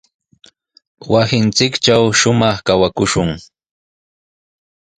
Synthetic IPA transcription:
wasɪnt͡sɪkt͡ʃawʃʊmɑχkawakʊʃʊŋ

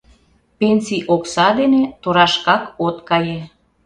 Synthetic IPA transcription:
penʲsiʔoksɑd̪enet̪oɾɑʃkɑkot̪kɑje

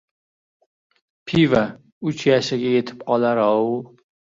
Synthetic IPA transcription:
pʰiva | ʊt͡ʃjaʃɪɡʲɛjet̪ʰɪ̥pqʰɒlaɾɑ

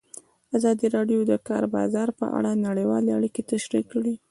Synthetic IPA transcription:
azɑd̪iɾɑɖjod̪əkɑ̰ɾbɑ̰zɑɾpə̰ʔa̰ɽanaɽəjwɑleaɽiket̪aʃɾikːɽi

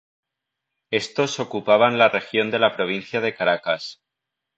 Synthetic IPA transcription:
e̞st̪o̞so̞kupaβ̞anlare̞xjo̞nd̪e̞lapɾo̞β̞in̟θjaðe̞kaɾakas

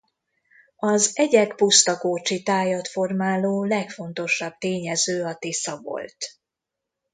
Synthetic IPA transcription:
ɒzɛɟɛkpust̪ɒkoːt͡ʃit̪aːjɒt̪fo̞rmaːloːlɛkfo̞nt̪o̞ʃɒb̚t̪eːɲɛzøːɒt̪isɒvo̰lt̪

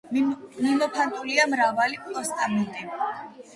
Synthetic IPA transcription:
mimɔpʰant̪ʼuliamɾavalipʼɔst̪ʼamɛnt̪ʼi

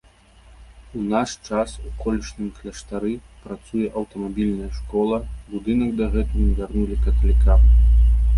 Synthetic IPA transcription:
unaʂt͡ʂasukɔlʲiʂnɨmklʲɐʂt̪aɾɨ | pɾat̪sujɛʔɐwt̪ɐmabʲilʲnɐjɐʂkɔlˠɐbud̪ɨnɐɡd̪ɐɣɛt̪uvʲarnulʲikɐt̪ɐlʲikʰam

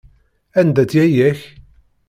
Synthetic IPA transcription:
ænd̪æt͡sjæjæç

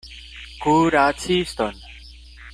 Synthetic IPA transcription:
ɡuɾat͡sʰist̪ɔn

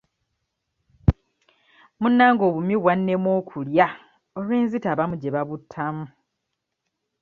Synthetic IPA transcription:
munːaːŋɡo̞ːβumiβwanːe̞mwo̞ːkʰulja | olweːnzitaβamuɟeβaβutʰːamu

